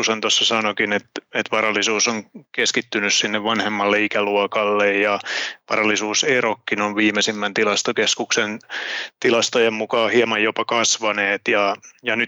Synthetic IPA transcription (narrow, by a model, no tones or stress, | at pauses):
usɑnt̪osːɑsɑnokinet̪et̪ʋɑrɑlːisuːsoŋkeskit̪ːynyssinːeʋʋɑnhemːɑlːeikæluɔkɑlːejjɑʋɑrɑlːisuːserokːinoʋʋiːmesimːænt̪ilɑst̪okeskuksent̪ilɑst̪ojemmukɑːhiɑmɑjjopɑkɑsʋɑneːt̪jɑjɑny